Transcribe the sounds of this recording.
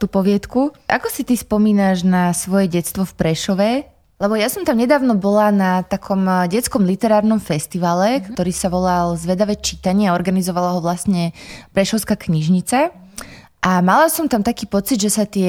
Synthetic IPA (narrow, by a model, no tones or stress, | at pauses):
t̪upɔʋɪɛt̪kuʔa̰kɔsit̪ispɔmiːnaʒnasʋɔjɛɟɛtt͡st̪ʋɔfpɾɛʃɔʋɛ | lɛbɔjasɔmt̪amɲɛd̪aːʊnɔbɔlanat̪akʰɔmɟɛt͡skɔmlit̪ɛɾaːɾnɔmfɛst̪iʋaːlɛkt̪ɔɾiːsaʋɔlalzʋɛd̪aʋɛt͡ʃit̪aɲɪaɔɾɡanizɔʋalaɦɔʋlasɲɛpɾɛʃɔʊskaːkɲiʒɲit͡sa | ʔamalasɔmt̪amt̪akiːpɔt͡sid̪ʒɛsat̪ɪɛ